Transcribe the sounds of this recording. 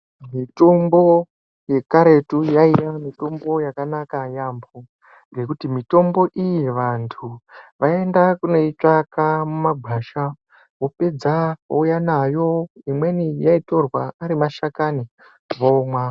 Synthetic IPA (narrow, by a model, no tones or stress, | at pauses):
mitombo̞ | je̞kaɾe̞tujaijamito̞mbo̞jakanakajaːmbo | ɡe̞kutimito̞mbo̞ʔijiʋantʰuʋae̞ndakune̞it͡ʂakamumaɡʱaːʃa | ʋo̞pe̞d͡zakaujanajo̞imwe̞nijaito̞rwaaɾimaʃakani | ʋomwa